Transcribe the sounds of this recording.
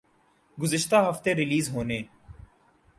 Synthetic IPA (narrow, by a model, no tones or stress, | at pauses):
ɡʊzəʃt̪aːɦəft̪eːɾɪliːzɦoːneː